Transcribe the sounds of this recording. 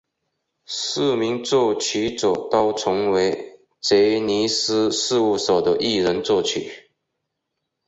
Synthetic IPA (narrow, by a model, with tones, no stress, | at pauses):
sɹ̩˥˩mi˧˥ŋt͡swɔ˥˩t͡ɕʰy˧˥˦t͡so˨˩t̪ɑ˥ʊt͡sʰʊ˧˥ŋwe˧˥ɪ | t͡se˧˥ɪni˧˥s̩˥ʂɻ̩˥˧u˥˩so˨˩ʊd̪ə˦ʔi˥˩ɻə˧˦˥nt͡swɔ˥˩t͡ɕʰy˨˩˦